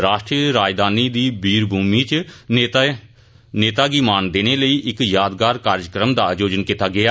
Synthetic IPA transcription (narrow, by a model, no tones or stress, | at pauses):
ɾaːʃʈɾijəɾaːd͡ʒd̪aːniːd̪iːbiːɾbʱuːmiːt͡ʃ̪ː | neːt̪aːɡiːmaːnd̪eːneːləiːʔɪkjaːd̪ɡaːɾkaːɾd͡ʒkɾəmd̪aːd͡ʒoːd͡ʒənkɪt̪aːɡɪaː